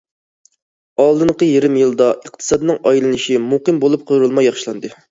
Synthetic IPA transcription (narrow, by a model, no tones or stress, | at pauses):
ɑlˠd̪ɨɴqəjeɾɪmjilˠd̪ɑʔəq̚t̪ʰɨ̥sɑd̪ɨnɨŋɑjlˠɨnɨʃimuqɨmbolˠup̚qʰoɾulˠmɑjɑχʃilˠɑnd̪ɨ